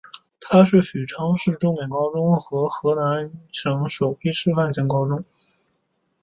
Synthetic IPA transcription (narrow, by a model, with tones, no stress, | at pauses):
t̪ʰa˥ʂɻ̩˥˩ɕy˨˩ʈ͡ʂʰɑ˥ŋʂɻ̩˥˩ʈ͡ʂʊ˥ŋme˨˩nkɑ˥ʊʈ͡ʂʊ˥ŋxɤ˧˥xɤ˧˥na˧˥nʂɤ˧˥ŋʂo˨˩ʊpi˥ʂɻ̩˥˧fa˥˩nɕjɛ˧˥nkɑ˥ʊʈ͡ʂʊ˥ŋ